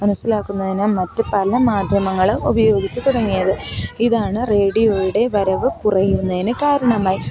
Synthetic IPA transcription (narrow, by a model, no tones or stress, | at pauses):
mɐnusilaːkːunːɐðinɨmɐtːɨpɐlɐmaːd̪ʱjɐmɐŋːɐɭubɐjo̞ːɡit͡ɕːɨt̪uɽɐŋːijɐðɨiðaːɳɨre̞ːɽijoujuɽe̞ʋɐɾɐʋɨkurɐjunːɐðinɨkaːɾɐɳɐmaːji